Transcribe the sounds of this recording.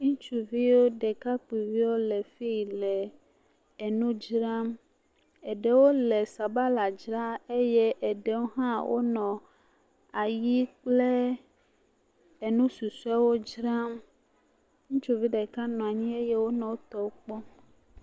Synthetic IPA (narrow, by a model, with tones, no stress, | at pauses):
ŋũ˦t͡ʃu˦vi˦wo˦ɖe˨ka˦k͡pi˨vi˦wo˦le˨fi˦˨lɛ˨ | e˨nũ˦d͡ʒɾa˦m | e˨ɖe˨wo˦le˨sa˨ba˦la˨d͡ʒɾa˦e˦je˦ʔe˨ɖe˨wo˦ɦã˦wʔo̰˦nɔ̃˨ | a˨ji˦k͡ple˦ | e˨nũ˦su˨su˦a˦wo˦d͡ʒɾa˦m | ŋũ˦t͡ʃu˦vi˦ɖe˨ka˦nɔ̃˨a˨ɲĩ˦e˦jɛ˦wo˦nɔ̃˨wo˦t̪ɔ˦wo˦k͡pɔ˦